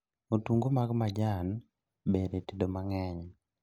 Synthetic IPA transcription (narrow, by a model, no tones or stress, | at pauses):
otuŋɡomaɡmad͡ʒan | bedetidomaŋɛɲ